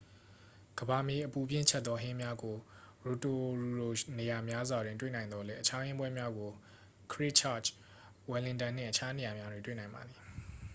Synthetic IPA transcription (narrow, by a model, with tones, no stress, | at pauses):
ɡ̥əba˨me˨ʔəpu˨bjɪ̰̃˦˨t͡ɕʰɛ˦t̪̚t̪ːɔ˦ɦɪ̃˦mja˦ɡo˨ | ɹo˨to˨ɹo˨ne˨ja˨mja˦zwa˨dwɪ̃˨ntwe˦˨nã˨ɪ̃nd̪ɔ˦lɛ˦ʔə˦t͡ɕʰa˦hɪ̃˦mbwɛ˦mja˦ɡo˨ | kʰɹɪ˦t͡ɕʰa˦˨t͡ʃ | wɛ˨lɪ̃˨ntã˨n̥ɪ̰̃˦˨ʔə˨a˦ne˨ja˨mja˦dwe˨twḛ˦˨nã˨ɪ̃mba̰˨d̪ði˨